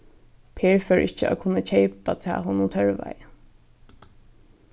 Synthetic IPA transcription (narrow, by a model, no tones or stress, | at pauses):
pʰeːɹfœɹʔɪht͡ʃːəa̰kʰʊnːat͡ɕʰejpat̪ʰa̰ːɦʊːnʊnt̪ʰœɹʋa̰jə